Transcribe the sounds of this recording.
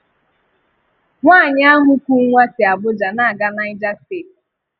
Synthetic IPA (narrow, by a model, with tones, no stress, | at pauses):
ŋʷaː˦˨ɲ˦a˦ɦʊ˦kʷu˦ŋʷa˦sɪ˨a˨bʊ˦d͡ʒa˨na˦a˨ɡa˦na˦ɪ˦d͡ʒa˦seː˦˨t